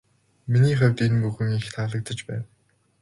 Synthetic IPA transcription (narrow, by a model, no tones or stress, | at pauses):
miniːχæwʲt̪enpuɣɘ̆ŋixt̪ʰaɮə̆k̚t̪ə̆t͡ɕpæ̰ːn